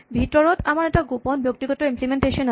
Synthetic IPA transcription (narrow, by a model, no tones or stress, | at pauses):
bʱit̪oɾot̪amaɾɛkʈaɡoponbjok̚t̪iɡɔt̪oimplimenʈeʃen